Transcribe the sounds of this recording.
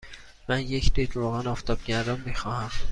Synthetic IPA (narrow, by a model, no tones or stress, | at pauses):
mænjecʰd̪id̪ɾoːɣænɒːft̪ʰɒb̥̚ɟæɾd̪ɒnmixɒːhæm